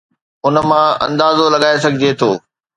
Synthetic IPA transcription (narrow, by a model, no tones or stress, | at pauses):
ʊnə̆mãɐ̰̃nd̪aːzolɐɠaːes̬ɐɡʱɪd͡ʑet̪ʰoː